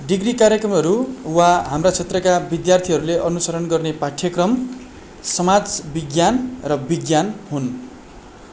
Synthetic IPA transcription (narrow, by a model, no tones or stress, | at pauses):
ɖiɡrikaɾjʌkrʌmɦʌɾuwaɦamrat͡sʰet̪rʌkabid̪jart̪ʰiɦʌɾuleʔʌnusʌɾʌnɡʌrnepaʈʰjʌkrʌm | sʌmad͡zbiɡjanrʌbiɡjanɦun